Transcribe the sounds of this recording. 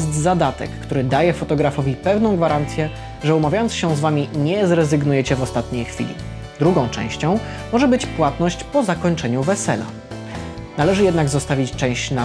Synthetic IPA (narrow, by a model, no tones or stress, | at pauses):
ɛst̪zad̪at̪ɛ̰kːt̪uɾɘd̪ajɛfɔt̪ɔɡɾafɔvʲipɛvnɔ̃w̃ɡvaɾant̪sʲjɛ | ʐɛumavʲjajɔnt̪sɕɛ̃zvamʲiɲɛzɾɛzɘɡnujɛt͡ɕɛvɔst̪at̪ɲejxfʲḭlʲḭ | d̪ɾuɡɔ̃w̃t͡ʂɛ̰̃w̃ɕt͡ɕɔ̃w̃ | mɔʐɛbɘt͡ɕpwat̪nɔɕt͡ɕpɔzakɔɲt͡ʂɛɲuvɛsɛ̰la̰ | nalɛʐɘjɛd̪naɡzɔst̪avʲit͡ɕt͡ʂɛ̃w̃ɕt͡ɕna